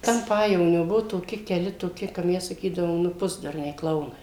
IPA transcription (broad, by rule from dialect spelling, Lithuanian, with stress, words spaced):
tʲɛn ˈpɑːjɛʋoːnʲoː ˈbʊʋoː toːˈkʲɪ kʲɛˈlʲɪ toːˈkʲɪ kɐ ˈmʲɛs sɐˈkʲiːdɐʋoːm ˈnʊ ˈpʊzdʊrʲnʲɛɪ ˈklˠɐʊnɐɪ